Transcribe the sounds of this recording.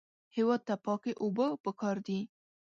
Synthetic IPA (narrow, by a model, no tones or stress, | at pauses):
hewɑd̪̚t̪apɑkeʔobəpəkɑɾd̪i